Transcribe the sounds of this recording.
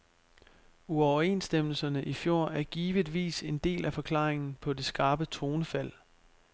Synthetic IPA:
uɒʊɐe̝̰nsd̥em̰l̩sɐnəʔifjo̝ɐ̰æɐɡ̥iːʋid̥ʋḭːse̝nd̥e̝̰ːlʔæfɒ̽kʰlɑ̰̈ːʁeŋn̩pʰɒ̽de̝sɡ̥ɑ̈ːb̥ət͡sʰʁo̝ːnəfæl̰

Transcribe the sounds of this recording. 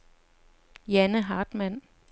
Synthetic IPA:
jænəɦɑ̈ːd̥mæn̰

